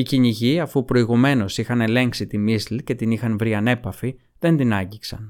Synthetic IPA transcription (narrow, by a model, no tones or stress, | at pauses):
iciɲiʝiɐfupɾo̞iɣume̞no̞sixɐne̞le̞ŋksit̪imislce̞t̪inixɐnvɾiɐne̞pɐfi | ðe̞nd̪inɐɲɟiksɐ̰n